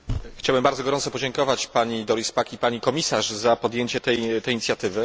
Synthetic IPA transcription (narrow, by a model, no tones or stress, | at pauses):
xt͡ɕawbɘmbaɾd̪zɔɡɔɾɔnsɔpɔd͡ʑeŋkɔvat͡ɕpaɲid̪ɔɾispakipaɲikɔmʲisaʂzapɔd̪jeɲt͡ɕɛt̪ɛjt̪ɛjːɲit̪sʲjat̪ɘvɘ